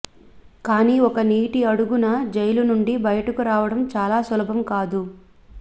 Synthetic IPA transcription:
kaːniːɔkɐniːʈiɐɽuɡunɐd͡ʒɐjlunuɳɖibɐjɐʈɐkuɾaːʋɐɽɐmt͡ʃaːlaːsulɐbʱɐmkaːd̪u

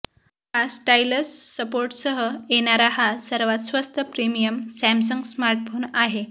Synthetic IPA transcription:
asʈajləssəpoɾʈsəɦəeñaɾaɦasəɾʋat̪sʋəst̪ʰəpɾimijəmsæms̬əŋɡsmaɾʈfʰonaɦe

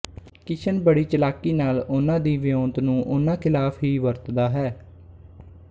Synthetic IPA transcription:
kɪt͡ʃʰənbəɽiːt͡ʃəlaːkiːnaːlʊnãːd̪iːʋɪjõːnt̪nũːʔʊnãːkʰɪlaːpʰɦiːʋəɾt̪d̪aːɦɛː

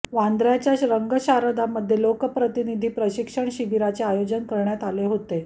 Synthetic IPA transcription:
ʋand̪ɾjat͡ɕjaɕɾəŋɡəɕaɾəd̪aməd̪ʱjelokəpɾət̪inid̪ʱiːpɾəɕikʂəɳɕiʋiɾat͡seajod͡ʑənkəɾɳjat̪aleɦot̪e

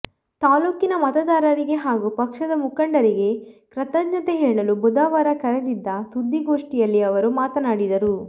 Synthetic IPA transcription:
t̪aːluːkinɐmɐt̪ɐd̪aːɾɐɾiɡe̞ɦaːɡupɐkʂɐd̪ɐmukɐɳɖɐɾiɡe̞kɾɐt̪ɐɡɲɐt̪eɦeːɭɐlubud̪aːʋaːɾɐkɐɾed̪id̪ːɐsud̪ʱːiɡo̞ːʂʈijɐlːiɐʋɐɾumaːt̪ɐnaːɽid̪ɐɾu

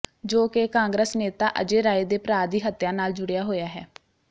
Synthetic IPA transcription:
d͡ʒoːkekãːŋɡɾəsneːt̪a̰ːʔə̰d͡ʒeːɾaːed̪eːpɾaːɾd̪iːɦət̪jãːnaːld͡ʒʊɽjaːɦoːjaːɦɛː

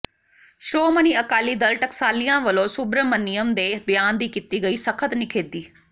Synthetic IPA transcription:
ʃɾoːməniːəkaːliːd̪əlʈəksaːlɪjãːʋəlõːsʊbɾəmənɪjəmd̪eːbɪjaːnd̪iːkit̪iːɡəiːsəkʰət̪nɪkʰeːd̪iː

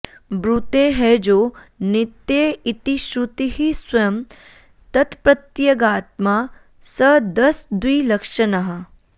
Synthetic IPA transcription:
bɾut̪eɦɛd͡ʒoːnit̪ːjeːit̪iʃɾut̪iɦiswɐjɐm | t̪ɐt̪pɾɐt̪jɐɡaːt̪maː | sɐd̪ɐsd̪wiːlɐkʃɐnaɦɐ

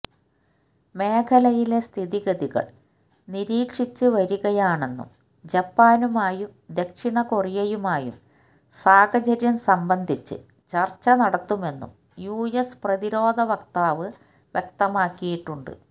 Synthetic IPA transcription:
me̞ːkʰɐlɐjile̞st̪ʰiðiɣɐðiɣɐ̰ɭ | niɾiːkʂit͡ɕːɨʋɐɾuɣɐjaːɳe̞nːṵm | d͡ʑɐpːaːnumaːjumd̪e̞kʂiɳɐkorijɐjumaːjṵm | saːɡɐt͡ɕɐɾjɐmsɐmbɐnd̪ʱit͡ɕːɨ̰ | t͡ɕɐrt͡ɕːɐnɐɽɐt̪ːume̞nːṵm | juːjesprɐðiɾo̞ːd̪ʱɐʋɐkt̪aːʋɨ | ʋjek̚t̪ɐmaːkːijiʈːuɳɖɨ̰

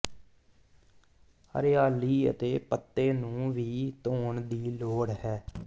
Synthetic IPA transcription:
hə̰ɾɪjaːliːə̰t̪eːpət̪ːeːnũːʋiːt̪oːɳd̪iːloːɽhɛː

